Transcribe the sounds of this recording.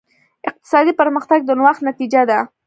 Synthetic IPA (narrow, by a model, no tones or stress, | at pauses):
ɪq̚t̪ɪ̥sɑd̪ipəɾməxt̪aɡ̚d̪ənwaxnat̪id͡ʒad̪a